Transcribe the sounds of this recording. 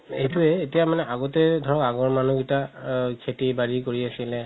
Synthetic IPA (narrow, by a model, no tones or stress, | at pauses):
ejtuɛːtijamanɛʔaɡɔtɛdʱɔɹɔkaɡɔɹmanuɡitakʰetibaɹikoɹiasilɛ